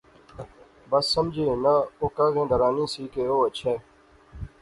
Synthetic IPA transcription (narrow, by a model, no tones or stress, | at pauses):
bəsːəmd͡ʒʱeːnəokaːzẽːd̪ʱəɾaːnĩːsiːkeːoːət͡ʃʰɛː